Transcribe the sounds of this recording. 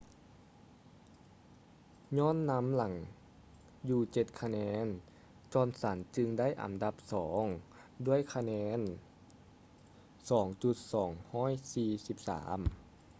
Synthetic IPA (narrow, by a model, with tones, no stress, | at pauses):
ɲɔː˧˥˨nːa˧˥mla˨˦ŋ | juː˧˩t͡ɕe˧t̪̚kʰa˧nɛː˧˥n | t͡ɕɔː˧nsa˩˦nt͡ɕɯ˧ŋda˥˨jʔa̰˨˩˦nda˧˦p̚sɔː˩˦ŋ | du˥˩əjkʰa˧nɛː˧˥n | sɔː˩˦ŋt͡ɕu˧˩t̪̚sɔː˩˦ŋhɔː˥˩˨jsiː˧si˧˦p̚sa̰ː˩˦m